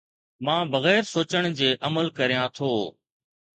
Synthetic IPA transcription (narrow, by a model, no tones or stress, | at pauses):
mãːbɐɣɛːɾsoːt͡ɕəɽ̃d͡ʑeːʔɐməlkɐɾijãt̪ʰoː